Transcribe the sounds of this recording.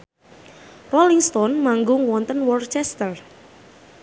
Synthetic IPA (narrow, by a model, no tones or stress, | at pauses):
rɔliŋst̪ɔnmaŋɡʊŋwɔnt̪ənwɔrt͡ʃɛst̪ər